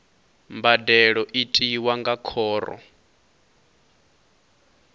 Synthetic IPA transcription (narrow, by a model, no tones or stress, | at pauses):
mbadɛɺɔʔitʼiwaŋɡakʰɔːrɔ̰